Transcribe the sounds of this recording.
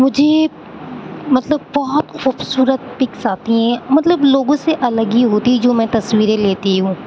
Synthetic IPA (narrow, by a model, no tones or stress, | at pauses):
mʊd͡ʒʱe | mɐt̪ləbːɔɦɔt̪xuːbsuːɾət̪̚pɪksaːt̪iɦɛ̃ːmɐt̪ləbloːɡõseʔɐləɡiɦoːt̪id͡ʒoːmɛ̃ːt̪ɐsʋiːɾeleːt̪iɦũː